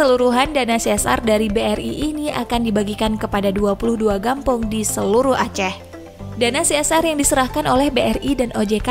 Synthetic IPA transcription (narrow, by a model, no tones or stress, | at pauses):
əluɾuɦandanasiɛsa̰rdaɾibeɛrḭʔinia̰kandibaɡikankəpadaduapuluhduaɡampʊŋdisəluɾuhat͡ʃɛh | danasiɛsarjaŋdisəɾahkanolɛhbeʔɛridanʔod͡ʒeka